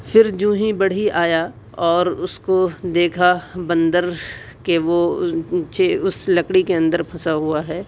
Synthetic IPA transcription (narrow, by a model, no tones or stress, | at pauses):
fʰɪɾd͡ʒũːɦĩbɐɽ̤iaːja | ɔːɾʊskod̪eːkʰabɐ̃nd̪əɾ | keʋo | t͡ʃeʊslɐkɽikeɐ̃nd̪əɾpʰɐsaɦuaɦɛː